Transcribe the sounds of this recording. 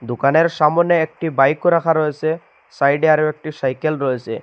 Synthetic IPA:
d̪ukaneɾʃamɔneek̚ʈibajkoɾakʰaɾoese | sajɖiaɾowek̚ʈisajkelɾoese

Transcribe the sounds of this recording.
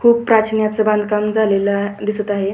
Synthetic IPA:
kʰuːb̚pɾat͡ɕʰnjat͡səbãnd̪ʱkamd͡zalelad̪isət̪aɦe

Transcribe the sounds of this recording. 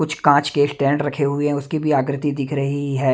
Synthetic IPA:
kʊt͡ʃʰkãːt͡ʃkeːsʈɛ̃ːɳɖɾɐkʰeɦueɦɛ̃ʊskibʱiaːɡɾɪt̪ːid̪ɪkʰɾɐɦiɦɛː

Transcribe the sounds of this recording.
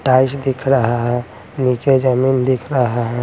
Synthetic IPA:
ʈaːɪsd̪ɪkʰɾəɦaɦɛ̃ | niked͡ʒəmiːnd̪ɪkʰɾəɦaɦɛ

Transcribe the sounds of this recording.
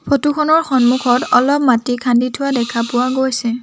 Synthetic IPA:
pʰotukʰɔnɔɹxɔnmukʰɔtɔlɔpmatikʰanditʰʊwadɛkʰapʊwaɡojsɛ

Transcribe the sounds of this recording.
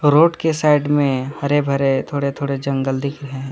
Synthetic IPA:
ɾoːʈkesaːɪɖmẽhɐɾebʱɐɾet̪ʰoːɽet̪ʰoːɽed͡ʒɐ̃ŋɡɡəld̪ʱɪkɾɦɛ̃

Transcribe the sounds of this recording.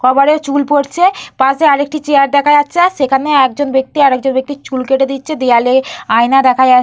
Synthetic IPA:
kʰɔbaɽet͡ɕulpoɾt͡ɕʰepaseaɾek̚ʈit͡ɕejaɾd̪ɛkʰajatːɕʰaʃekʰaneɛk̚d͡ʑonbek̚t̪iaɾɛk̚d͡ʑonbek̚t̪it͡ɕulkeʈed̪itːɕʰed̪ejaleajnad̪ɛkʰaja

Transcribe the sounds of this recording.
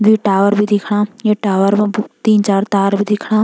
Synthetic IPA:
ʋiːʈaːʋəɾbʱid̪ɪkʰɽ̃aːjeːʈaːʋəɾbbt̪iːnt͡ʃaːɾt̪aːɾbʱiːd̪ɪkʰɽ̃aː

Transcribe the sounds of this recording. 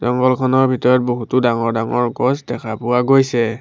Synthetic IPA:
zɔŋɡɔlkʰɔnɔɹbʱitɔɹɔt̚boɦutʊdaŋɔɹdaŋɔ̰ɹɡɔsdɛkʰapʊwaɡojsɛ

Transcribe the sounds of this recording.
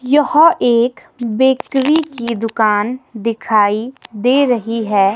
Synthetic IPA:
jɐhoʔeːk | beːkɾikid̪ʊkaːnd̪ɪkʰaːid̪eːɾɐɦiɦɛː

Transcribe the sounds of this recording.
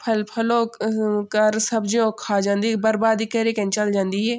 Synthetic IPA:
pʰɐlpʰɐloːkɐɾsɐbd͡ʒõkʰaːd͡ʒãːnd̪iːbɐɾbaːd̪ikɐɾekɛ̃nt͡ʃɐld͡ʒãːnd̪iːɦɛː

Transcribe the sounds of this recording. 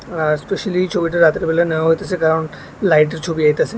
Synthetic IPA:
speʃalit͡ɕʰobiʈaɾat̪ɾbeleneoaɦojt̪et͡ɕʰekaɾon | lajʈ̬eɾt͡ɕʰobiajt̪et͡ɕʰe

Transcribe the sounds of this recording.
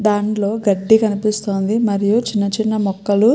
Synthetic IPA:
d̪aːɳlo̞ːɡɐɖːikɐnipist̪o̞ːnd̪imɐɾijut͡ʃinːɐt͡ʃinːɐmɔkːɐlu

